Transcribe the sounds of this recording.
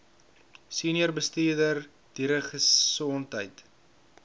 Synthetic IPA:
siːniərbəstiːrdər | d̥iɾəχəɔntɦəjt

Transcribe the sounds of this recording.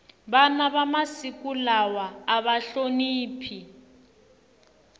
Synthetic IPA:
banaβamasikʼulawaːβaɬoniːpʰi

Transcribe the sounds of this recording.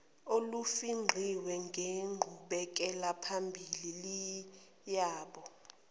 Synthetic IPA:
olufiŋ͡ǃʱiwɛŋɡʱeŋ͡ǃʱuɓɛk̬ʼɛlapʰambʱilili | jaːɓɔ

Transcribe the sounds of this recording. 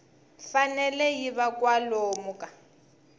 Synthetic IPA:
fanɛlɛjiβakʼwaloːmʊkʼa

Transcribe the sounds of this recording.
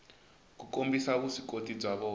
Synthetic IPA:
kukombisaβusikotʼib͡ʐaβɔ

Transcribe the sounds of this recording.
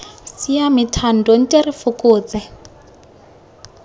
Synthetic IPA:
siamitʰan̩dɔn̩tʼerifʊkʼʊːt͡sɛ

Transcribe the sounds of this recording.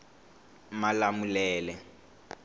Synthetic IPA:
malamulɛːlɛ

